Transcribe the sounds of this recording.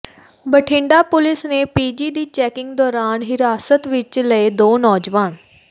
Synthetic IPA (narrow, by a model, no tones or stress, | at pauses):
bəʈʰɪ̃ːɳɖaːpʊlɪsneːpiːd͡ʒiːd̪iːt͡ʃɛːkɪ̃ŋɡd̪ɔːɾaːnɦɪɾaːsət̪ʋɪt͡ʃləeːd̪oːnɔːd͡ʒʋaːn